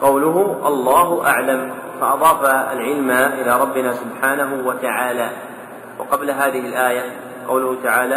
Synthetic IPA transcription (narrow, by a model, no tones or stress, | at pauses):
qɑwlʊɦʊʔɑlˤːɑːɦʊʔa̰ʕlam | faʔɑðˤɑːfaa̰lʕɪlmaʔɪlaːɾˤɑbːɪnaːsʊbħaːnaɦʊwat̪aʕaːlaː | wɑ̰qɑblaɦaːðɪhɪlʔaːja | qɑwlʊhʊt̪aʕaːlaː